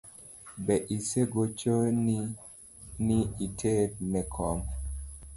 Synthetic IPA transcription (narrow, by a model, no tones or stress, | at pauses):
bɛʔiseɡot͡ʃoni | niitʰet̚nɛkʰɔm